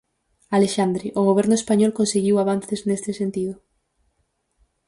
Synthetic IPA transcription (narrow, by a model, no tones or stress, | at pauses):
aleʃand̪ɾiʔoɣ̞oβeɾnʊespaɲɔlkõnseɣiwaβ̞anθeznest̪esent̪iðʊ